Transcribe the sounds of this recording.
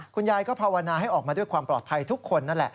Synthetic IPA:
kʰu˧njaː˧jkɔː˥˩pʰaː˧wa˧naː˧ɦa˥˩jʔɔː˨˩k̚mː˧du˥˩jkwaː˧mplɔː˨˩t̪̚pʰa˧jt̪ʰu˦˥kʰːo˧nːa˥˩nlɛ̰˨˩ʔ

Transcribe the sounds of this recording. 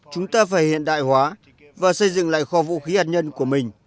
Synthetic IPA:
t͡ɕʊ˨˦ŋ͡mt̪aː˧faː˧˩jhḭ˧˨ənɗa̰ː˧˨jhwaː˨˦ | vaː˨˩sə˧jzɨ̰˧˨ŋla̰ː˧˨jxɔ˧vṵ˧˥xi˨˦haː˨˩t̚ɲə˧nku˧˩əmï˨˩ŋ̟

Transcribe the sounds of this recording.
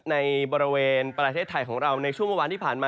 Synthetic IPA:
na˧jbɔː˧ɾi˧weː˧npɾa˧t̪ʰeː˥˩t̪ʰːa˧jkʰɔː˩˦ŋɾa˧wna˧jt͡ɕʰu˥˩ŋmu˧waː˧nt̪ʰiː˥˩pʰaː˨˩nmaː˧

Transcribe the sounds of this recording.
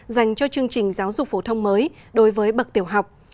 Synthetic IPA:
za˨˩jŋ̟t͡ɕɔ˧t͡ɕɨ˧əŋt͡ɕï˨˩ŋ̟zaː˨˦wzʊ˨˩k͡p̚fo˧˩t̪ʰə˧wŋ͡mməː˨˦jɗo˨˦jvəː˨˦jɓə˨˩k̚t̪i˧˩əwɦa˨˩wk͡p̚

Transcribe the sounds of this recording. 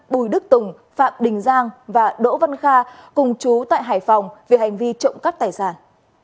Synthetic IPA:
ɓu˧˩jɗɨ˦˥k̚t̪ʊ˨˩ŋ͡m | fa̰ː˧˨mɗï˨˩ŋ̟zaː˧ŋvaː˨˩ɗo̰˧˥va˧nxaː˧kʊ˨˩ŋ͡mt͡ɕu˨˦t̪a̰ː˧˨jɦaː˧˩jfa˨˩wŋ͡mve˨˩ɦa˨˩jŋ̟vi˧t͡ɕə̰˧˨wŋ͡mka˦˥k̚t̪aː˨˩jsaː˧˩n

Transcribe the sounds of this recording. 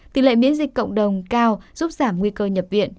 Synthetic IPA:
t̪i˨˩lḛ˧˨mḭ˧˥ənzi˨˩k̟kə̰˧˨wŋ͡mɗə˨˩wŋ͡mkaː˧wz̥u˦˥p̚zaː˧˩mŋwi˧kəː˧ɲə˨˩p̚vḭ˧˨ən

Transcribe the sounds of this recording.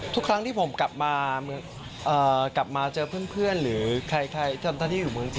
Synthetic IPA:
t̪ʰu˦˥kʰɾa˦˥t̪ʰiː˥˩pʰo˩˦mka˨˩p̚maː˧mɯ˧əŋ | ʔɤː˨˩kla˨˩p̚maː˧t͡ɕɤː˧pʰɯ˥˩ənpʰɯ˥˩ənɾɯː˩˦kʰa˧jkʰa˧jt̪ʰiː˥˩o˧t̪ʰaː˥˩nʰː˥˩juː˨˩mɯ˧əŋt͡ɕi˧˩

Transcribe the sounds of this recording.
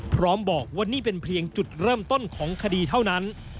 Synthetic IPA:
pʰɾɔː˦˥mbɔː˨˩k̚waː˥˩niː˥˩pe˧npʰli˧əŋt͡ɕu˨˩t̪̚ɾɤː˥˩mt̪o˥˩nkʰɔː˩˦ŋkʰa˧diː˧t̪ʰa˥˩wna˦˥n

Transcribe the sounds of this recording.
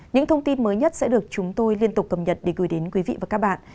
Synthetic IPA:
ɲɨ̰˧˥ŋt̪ʰə˧wŋ͡mt̪i˧nməː˨˦jɲə˦˥t̚sɛ̰˧˥ɗɨ˨˩ək̚t͡ɕʊ˨˦ŋ͡mt̪o˧jli˧ənt̪ʊ˨˩k͡p̚ːə˨˩p̚ɲə˨˩t̚ɗe˧˩ɣɨː˨˩˦jɗe˨˦nkwi˨˦vḭ˧˨vaː˨˩kaː˦˥k̚ɓa̰ː˧˨n

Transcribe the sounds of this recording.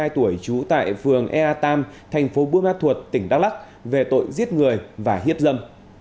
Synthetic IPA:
aː˧jt̪u˧˩əjt͡ɕu˨˦t̪a̰ː˧˨jfɨ˨˩əŋʔɛ˧ʔaː˧t̪aː˧mt̪ʰɛ˨˩jŋ̟fo˨˦ɓu˧əmaː˧˥t̪ʰwu˨˩t̚t̪ï˧˩ŋ̟ɗaː˦˥k̚la˦˥k̚ | ve˨˩t̪o̰˧˨jzi˦˥ət̚ŋɨ˨˩əjvaː˨˩ɦi˦˥əp̚zə˧m

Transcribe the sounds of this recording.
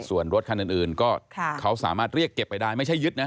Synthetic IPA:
su˨˩ənɾo˦˥t̪̚kʰa˧nʔɯː˨˩nʔɯː˨˩nkɔː˥˩˧kʰa˦˥wsa̰ː˩˦maː˥˩t̪̚ɾi˥˩əkːe˨˩pːa˧jdaː˥˩jma˥˩jt͡ɕʰjɯ˦˥t̪̚na˦˥

